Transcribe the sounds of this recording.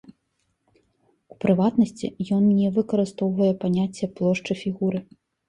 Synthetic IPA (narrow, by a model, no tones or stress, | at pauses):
upɾɨvat̪nɐsʲt͡sʲḭjɔnnʲɛvɨkɐɾɨst̪ɔwvɐjɛpanʲat͡sʲːɐplˠɔʂt͡ʂɨfʲiɣuɾɨ